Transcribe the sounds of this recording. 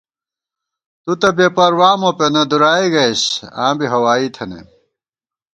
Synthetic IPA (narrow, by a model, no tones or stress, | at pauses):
t̪ut̪ɐbepɐɾwaːmopenɐd̪uɾaːiɡɐjɕã̰ːbiɦɐwaːit̪ʰɐnḛ